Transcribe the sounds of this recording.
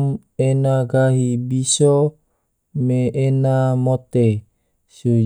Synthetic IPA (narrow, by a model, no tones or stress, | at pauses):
m | enaɡaɦibiso | meʔːnamot̪e | su